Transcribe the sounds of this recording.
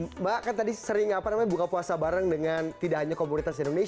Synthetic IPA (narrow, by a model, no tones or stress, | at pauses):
bakant̪adisəɾɪŋapanamaɲabukapuasabaɾəŋdəŋant̪idaʔɦaɲakomunit̪asindone